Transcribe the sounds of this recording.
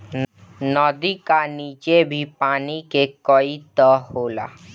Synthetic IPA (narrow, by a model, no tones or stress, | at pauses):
nɔːd̪ikaniːt͡ʃebʱipaːnikekɔit̪ɔɦoːla̰ː